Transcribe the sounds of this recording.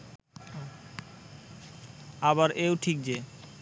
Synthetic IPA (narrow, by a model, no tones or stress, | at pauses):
aβaɾewʈʰik̚d͡ʑe